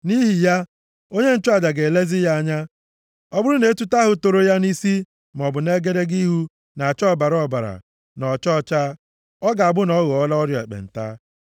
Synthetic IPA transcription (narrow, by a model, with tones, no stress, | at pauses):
ni˦ɦi˨ja˦ | o˦ɲe˦n̩˦t͡ʃʊ˦a˨da˨ɡe˨le˦zi˦ja˦a˨ɲa˦ | ɔ˦bʊ˦ɾʊ˦ne˨e˦tu˦ta˦ɦʊ˨to˨ɾo˦ja˦ni˦si˦ | m˨ɔ˨bʊ˨ne˦ɡe˦ɾe˦ɡi˦ɦu˦ | na˨t͡ʃɔ˦˨ba˨ɾɔ˨ba˨ɾa̰˨ | nɔ˨t͡ʃɔ˦t͡ʃa˦ | ɔ˦ɡa˨a˨bʊ˦nɔ˦ɣɔ˨ɔ˦lɔ˦ɾjɔ˨e˨k͡pḛ˨n̩˨ta̰ː˦